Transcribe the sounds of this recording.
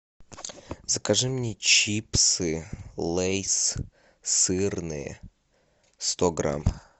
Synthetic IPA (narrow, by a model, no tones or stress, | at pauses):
zəkɐʐɨmnʲet͡ɕipsɨlˠejs | sɨrnɨjə̰ | st̪oɡɾa̰m